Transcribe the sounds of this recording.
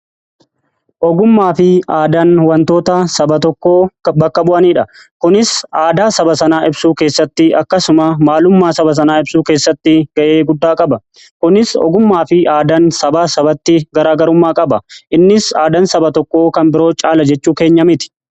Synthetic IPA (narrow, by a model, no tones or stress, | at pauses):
ʔɔɡʊmːaːfɪaːd̪ɐnwɐnt̪oːt̪ɐsɐbɐt̪ɔkːo̞ːbɐkːɐbʊʔɐniːᶑɐ | kʊnɪsʔaːd̪aːsɐbɐsɐnaːɪbsuːke̞ːsːɐt̪ːɪɐkːɐsʊmɐmaːlʊmːaːsɐbɐs̬ɐnaːɪbsuːke̞ːsːɐt̪ːɪɡɐʔe̞ːɡʊd̪ːaːkʼɐbɐ | kʊnɪsɔ̰ɡʊmːaːfɪaːd̪ɐnsɐbaːsɐbɐt̪ːɪɡɐɾaːɡɐɾʊmːaːkʼɐbɐʔɪnːɪsaːd̪ɐnsɐbɐt̪ɔkːo̞ːkɐmbɪɾo̞ːt͡ʃʼaːlɐd͡ʒɛt͡ʃːuːke̞ːɲːɐmɪt̪ɪ̥